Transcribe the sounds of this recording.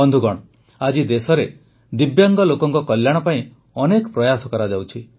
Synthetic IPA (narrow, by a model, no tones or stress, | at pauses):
ɔnd̪ʱuɡɔɽ̃ɔ | ad͡ʒid̪esɔɾe | d̪ibjaŋɡɔlokɔŋkɔkɔljaɽ̃ɔpaĩ | ɔnekɔpɾɔjasɔkɔɾad͡ʒawt͡ʃʰi